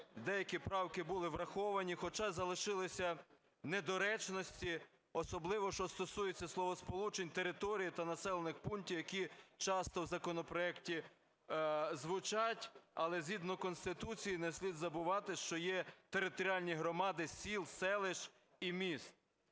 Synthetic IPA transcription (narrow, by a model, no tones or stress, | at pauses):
d̪ɛjɐkʲipɾɑwkɪbulˠɪʋɾɐxɔʋɐnʲixɔt͡ʃɑzɐlˠɪʃɪlˠɪsʲɐ | ned̪ɔɾɛt͡ʃnɔsʲtʲi | ɔsɔblˠɪʋɔʃt͡ʃɔst̪ɔsujet͡sʲːɐslˠɔʋɔspɔlˠut͡ʃenʲt̪eɾɪt̪ɔɾʲijit̪ɐnɐsɛlˠenɪxpuntʲiwjɐkʲit͡ʃɑst̪ɔwzɐkɔnɔpɾɔɛktʲi | zʋʊt͡ʃɑtʲɐlˠɛzʲɦʲid̪nɔkɔnst̪ɪt̪ut͡sʲijinɛsʲlʲid̪zɐbʊʋɑt̪ɪʃt͡ʃɔjɛt̪eɾɪt̪ɔɾʲiɑlʲnʲiɦɾɔmɑd̪ɪsʲilˠsɛlˠɪʃ | imʲist̪̚